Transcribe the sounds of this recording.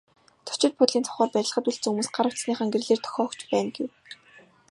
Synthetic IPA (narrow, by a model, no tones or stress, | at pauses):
t̪ʰɵ̥t͡ɕɪ̆t̪̚pʰʊt̪ɮʲiːnt͡sʰɔ̥χɔːrpæɾʲɪ̆ɮə̆χə̆t̪uɮt͡sɘ̆ŋumuːsɢaɾə̆w̥ʰt͡ssniːχaŋɡerɮeːrt̪ʰɔ̥xʲɔːkt͡ɕpæːnɡew